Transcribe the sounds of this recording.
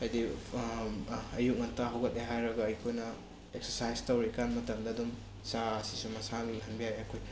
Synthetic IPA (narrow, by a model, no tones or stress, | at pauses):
ajdi | ɐjuk̚ŋɐntaɦɐwɡɐt̚leɦajɾɐɡɐɐjkʰojnɐ | ek̚seɾsajstɐwɾikanmɐtɐmdɐdum | saɐsisumɐsanlɦɐnbijajɐkʰoj